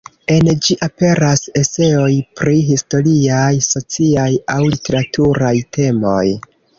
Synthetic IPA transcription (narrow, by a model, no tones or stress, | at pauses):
e̞nd͡ʒiʔape̞ɾase̞se̞o̞jpɾiɦisto̞ɾiajso̞t͡siajawlite̞ɾatʰuɾajtʰe̞mo̞j